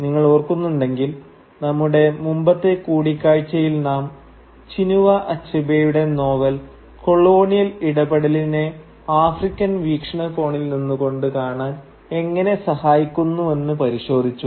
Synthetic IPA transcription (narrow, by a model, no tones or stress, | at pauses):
niŋːɐɭoːrkːunːuɳɖe̞ŋɡil | nɐmːuɽe̞mumbɐt̪ːe̞kuːɽikʲːaːɻt͡ɕːɐjilnaːm | t͡ɕinuʋɐʔɐt͡ɕːɐbejuɽe̞no̞ːʋɐl | ko̞ɭo̞ːnijɐliɽɐbɐɽɐline̞ | aːfrikʲːɐnʋiːkʂɐɳɐko̞ːɳilninːuko̞ɳɖɨkaːɳaːn | e̞ŋːɐne̞sɐhaːjikʲːunːuʋe̞nːɨpɐɾiɕo̞ːd̪ʱit͡ɕːu